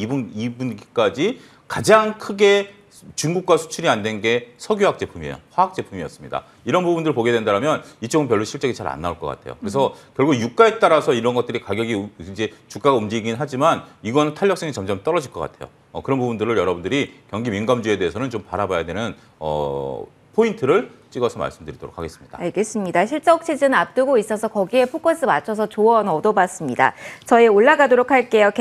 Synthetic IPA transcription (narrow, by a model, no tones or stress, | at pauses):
ibunibunɡk͈ad͡ʑi | kad͡ʑaŋkʰɯɡe̞ | t͡ɕuŋɡuk̚k͈wasʰu̥t͡ɕʰuɾiandwe̞nɡe̞sʰʌɡjuɦak̚t͡ɕ͈e̞pʰumiḛjo̰ɸwaɦak̚t͡ɕ͈e̞pʰumijʌs͈ɯmɲida̰ | iɾʌnpubundɯɾɭpoɡe̞dwe̞ndaɾɦamjʌnit͡ɕ͈oɡɯnpjʌɭːuɕʰiɭt͡ɕ͈eɡit͡ɕaɾa̰nːauɭk͈ʌk͈a̰tʰe̞jo̰kɯɾe̞sʰʌkjʌɭɡuɡjuk̚k͈aet͈aɾasʰʌiɾʌnɡʌt̚t͈ɯɾikaɡjʌɡid͡ʑe̞t͡ɕuk͈aɡaumd͡ʑiɡinɦad͡ʑimaniɡʌnɯntʰaɭʎːʌks͈ʌŋet͡ɕʌmd͡ʑʌmt͈ʌɾʌd͡ʑiɭk͈ʌk͈a̰tʰe̞jo̰ | ʌkɯɾʌnbpubundɯɾɯɭjʌɾʌbundɯɾikjʌŋɡiminɡamd͡ʑue̞de̞ːsʰʌnɯnt͡ɕompaɾabajadwenɯn | ʌ̰ | pʰointʰɯɾɯɭt͡ɕ͈iɡʌsʰʌma̰ɭs͈ɯmdɯɾidoɾokʰːaɡe̞s͈ɯ̥mɲid̥a̰aɭɡe̞s͈ɯmɲidaɕʰiɭt͡ɕ͈eok̚t͡ɕʰed͡ʑɯnɯap̚t͈ɯɡois͈ʌsʰʌkʌɡie̞pʰok͈ʰʌs͈ɯmat͡ɕʰʌs̬ʰʌt͡ɕoʌnʌdʌbas͈ɯmɲida̰t͡ɕʌeoɭːaɡadoɾokʰaɭk͈e̞jok